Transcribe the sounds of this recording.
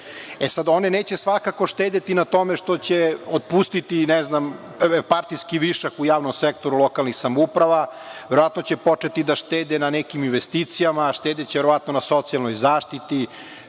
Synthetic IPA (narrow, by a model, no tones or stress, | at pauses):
esad̪o̞neneːt͡ɕesʋakako̞ʃt̪eːd̪et̪inat̪o̞meʃt̪ot͡ɕeod̪̚pust̪it̪inɛznam | paɾt̪iskiʋiʃakujaːʋnomsekt̪o̞ɾulˠokalnixsamupɾaʋa | ʋeɾoʋat̪not͡ɕepo̞t͡ʂet̪id̪aʃt̪eːd̪enanekiminʋest̪iːt̪sijamaʃt̪ed̪et͡ɕeʋeɾo̞ʋat̪no̞naso̞t̪sialˠnojzaːʃt̪it̪i